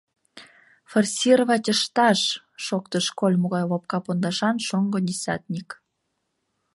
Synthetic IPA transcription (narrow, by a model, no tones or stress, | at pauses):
forsʲiroβɑtʲəʃt̪ɑʃː | okt̪əʃkolʲmoɣɑjlop̚kɑpond̪ɑʃɑnʃoŋɡod̪ʲesʲɑ̰t̪nʲik